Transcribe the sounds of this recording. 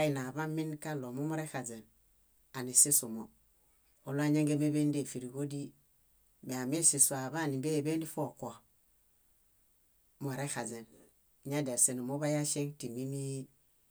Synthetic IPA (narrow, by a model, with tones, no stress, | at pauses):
a˦i˨na˨βa˦mi˦nka˦lo˨mu˦mo˦ɾe˦xa˨ze˨n | a˨ni˨si˦su˨mo˨ | o˦lo˦a˦ɲe˦ŋɡe˦be˦be˦nde˦˨fi˨ɾi˨ɡo˦di˦ | me˨a˨me˦si˨su˨a˨ba˦˨ni˨be˦˨be˦ndi˦fo˦˨kʷo˨ | m˨o˨ɾe˦xa˨ze˨n˨ | ɲa˦de˨ɾse˨nu˨mo˦ba˦ja˦ʃe˦ŋti˨mi˦mi˦